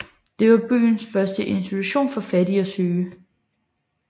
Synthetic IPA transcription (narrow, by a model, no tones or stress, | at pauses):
d̥e̝ʋɑ̈b̥y̰ːnsfɶɐsd̥əʔe̝nsd̥it͡sʰuɕo̝̰ːnfɒ̽fæd̥iɒ̽søː